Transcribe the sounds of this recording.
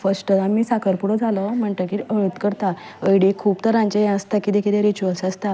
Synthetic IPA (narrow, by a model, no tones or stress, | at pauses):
fəsʈəamiːsakʰəɾpuɽɔd͡zʱaləm̤əɳʈ̪əkiəɭət̪kəɾt̪a | əjɽekʰuːpt̪əɾãɲt͡ɕejãəst̪akiːd̪ekʰileɾit͡ɕuʋəlsəst̪a